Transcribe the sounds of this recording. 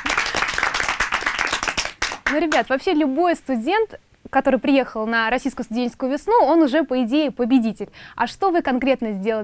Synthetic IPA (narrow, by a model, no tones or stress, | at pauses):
nuɾʲɪbʲat̪vɐpɕːe̞lʲʊbo̞jst̪ʊdʲe̞nt̪ | kɐt̪o̞ɾɨjpɾʲɪje̞xəlˠnəɾɐsʲijskʊjəst̪ʊdʲenʲt͡ɕɪskʊjʊvʲɪsnuo̞nʊʐɛpəɪdʲejɪpəbʲɪdʲitʲɪlʲɐ̰ʂt̪o̞vɨkɐnkɾʲe̞t̪nəzʲdʲe̞lˠə